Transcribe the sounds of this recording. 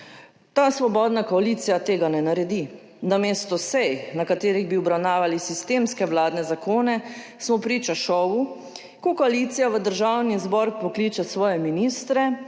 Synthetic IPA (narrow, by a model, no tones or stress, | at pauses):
t̪aːsʋɔbɔːd̪nakɔaliːt̪sijat̪eːɡanɛnaɾɛd̪i | nameːst̪ɔsɛjnakat̪eːɾiɣbiɔbɾawnaːʋalisist̪eːmskɛʋlaːd̪nɛzakoːnɛ | smɔpɾit͡ʃaʃɔːʋu | kɔkɔaliːt̪sijaʋəd̪əɾʒawnizbɔɾpɔkliːt͡ʃasʋɔːjɛminiːst̪ɾɛ